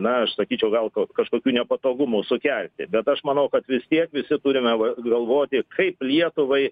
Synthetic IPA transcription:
nɐɐʃsɐkʲiːt͡ʃʲɛʊɡɐlˠkokɐʃkoːkʲuːnʲɛpɐt̪oːɡʊmuːsʊkʲɛlʲt̪ʲɪ̰bʲɛt̪ɐʃmɐnɐʊkɐt̪ʋʲɪst̪ʲiɛkʋʲɪsʲɪt̪uːɾʲɪmʲɛʋɐɡɐlˠʋoːt̪ʲɪkʰɐɪplʲiɛt̪ʊʋɐɪ

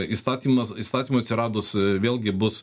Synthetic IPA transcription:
ist̪ɑːt̪ʲiːmɐsist̪ɑːt̪ʲiːmoːɐt̪sʲɪɾɑːd̪ossʋʲeːlˠʲɡʲɪbʊs

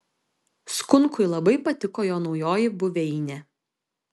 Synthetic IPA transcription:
skʊŋˑkʊɪlˠɐbɐɪpɐt̪ʲɪkoːjoːnɒʊjoːjɪbʊʋʲɛɪnʲɛ

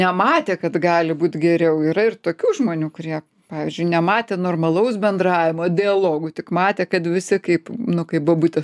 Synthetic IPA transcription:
nʲɛmɑːt̪ʲeːkɐt̪ɡɑːlʲɪbuːt̪ɡʲɛɾʲɛʊiːɾɐɪrt̪oːkʲuːʒmoːnʲuːkʊɾʲiɛ | pɑːʋʲiːzʲd͡ʒʲʊɪnʲɛmɑːt̪ʲeːnoːrmɐlˠɐʊsbʲɛnd̪ɾɑːʋʲɪmoːd̪ʲɪɐlˠoːɡʊt̪ʲɪkmɑːt̪ʲeːkɐt̪ʋʲɪsʲɪkɐɪpnʊkɐɪp̚bʊɔbuːt̪ʲɐ

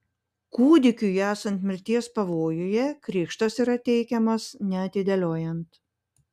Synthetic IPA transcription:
kuːd̪ʲɪkʲujæːsɐnʲt̪ʲmʲɪɾʲt̪ʲiɛspɐʋoːjʊjɛkɾʲiːkʃt̪ɐsiːɾɐt̪ʲɛɪkʲɛmɐsnʲɛɐt̪ʲɪd̪ʲɛlʲoːjɛnt̪

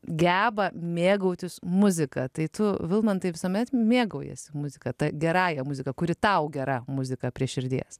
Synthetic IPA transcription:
ɡʲæːbɐmʲeːɡɐʊt̪ʲɪsmʊzʲɪkɐt̪ɐɪt̪ʊʋʲɪlˠmɐnt̪ɐɪʋʲɪsoːmʲɛt̪mʲeːɡɐʊjɛ̰sʲɪmʊzʲɪkɐt̪ɐɡʲɛɾɑːjɛmʊzʲɪkɐkʊɾʲɪt̪ɐʊɡʲɛɾɐmʊzʲɪkɐpʲɾʲiɛʃʲɪɾʲd̪ʲḭɛs

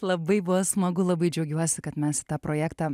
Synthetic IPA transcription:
lˠɐbɐɪbʊʋɐsmɐɡʊlˠɐbɐɪd͡ʒʲɛʊɡʲuɔsʲɪkɐt̪mʲɛst̪ɑːpɾoːjæːkt̪ɑː

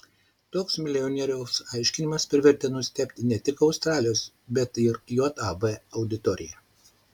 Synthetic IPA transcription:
t̪oːksmʲɪlʲɪɔnʲɛːɾʲɛʊsɑˑɪʃʲkʲɪnʲɪmɐspʲɾʲʋʲɛɾʲt̪ʲɛnʊsʲt̪ʲɛpʲt̪ʲɪnʲɛt̪ʲɪkɒʊst̪ɾɑːlʲɪjoːs | bʲɛt̪ɪɾjoːt̪ɑbɛɐʊd̪ʲɪt̪ɔːɾʲɪ̰jɛ

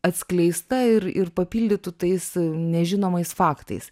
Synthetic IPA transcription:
ɐt̪ʲsʲklʲɛɪst̪ɐɪɾɪ̰ɾpɐpʲiːlʲd̪ʲɪt̪ʊt̪ɐɪsnʲɛʒʲɪnoːmɐɪsfɑːkt̪ɐ̰ɪs

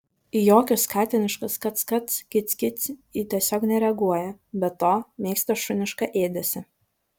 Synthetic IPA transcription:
ijoːkʲʊskɑːt̪ʲɪnʲɪʃkɐskɐt̪skɐt̪skʲɪt̪sʲkʲɪt̪sʲit̪ʲiɛsʲoːknʲɛɾʲɛɐɡuɔjɛbʲɛt̪ːoːmʲeːkst̪ɐʃʊnʲɪʃkɐʔeːd̪ʲɛsʲɪ

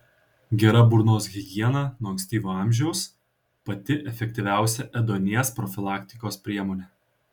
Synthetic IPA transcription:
ɡʲɛɾɐbʊɾnoːsɡʲɪɡʲiɛnɑnoːksʲt̪ʲiːʋʲuːɑˑmʲʒʲɛʊs | pɐt̪ʲɪʔɛfʲɛk̚t̪ʲiʋʲæˑʊsʲɛʔɛd̪oːnʲiɛspɾɔfʲɪlˠɑːkʲt̪ʲɪkoːspʲɾʲiɛmoːnʲeː

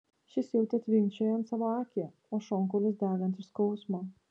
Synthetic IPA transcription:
ʃʲɪsjɛʊt̪ʲɛt̪ʲʋʲɪŋʲt͡ʃʲɛjɐnt̪sɑʋoɑːkʲɛ | oːʃɔŋkɔlʲɪsd̪æːɡʲɐnt̪ʲɪʃskɔʊsmo

